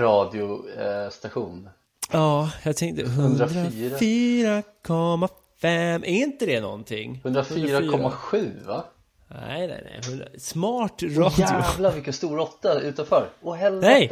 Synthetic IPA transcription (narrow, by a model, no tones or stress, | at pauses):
ɾɑːd̪ɪʊst̪aɧuːn | ɑːjɑːɡ̚t̪ʰɛŋkt̪əɦɵnd̪ɾad̪ɾaːɾafiːɾakʰɔmːa | fɛmːʔɛɾɪnt̪əd̪ɛnɔ̰nt̪ʰɪ̰ŋːhɵnd̪ɾafiɾːɾakʰːɔmːaɧʉ̟ːva̰ | nɛ̰jnɛ̰jnɛ̰jɦɵnd̪ɾa̰smɑːʈɾɑːd̪ɪʊvlavɪkːənst̪uːɾɔt̪ːaʉ̟ːt̪anfœɾɔɦɛlɛj